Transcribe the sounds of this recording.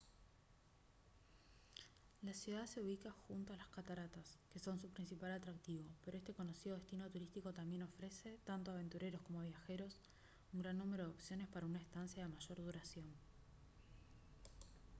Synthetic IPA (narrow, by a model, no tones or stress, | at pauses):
lasjuðaðse̞uβ̞ikaxunt̪oalaskat̪aɾat̪aske̞so̞nsupɾinsipalat̪ɾak̚t̪iβo̞pe̞ɾo̞est̪e̞ko̞no̞siðoest̪ino̞t̪uɾist̪iko̞t̪ambje̞no̞fɾe̞se̞t̪ant̪o̞aβe̞nt̪uɾe̞ɾosko̞mo̞βjaxe̞ɾo̞s | uŋɡɾanːume̞ɾoðo̞psjo̞ne̞spaɾaunaest̪ansjaðemaʒo̞ɾðuɾasjo̞n